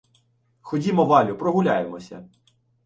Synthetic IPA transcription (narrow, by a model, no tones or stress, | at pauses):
xɔdʲimɔʋɑlʲʊpɾɔɦʊlʲajemɔsʲɐ̰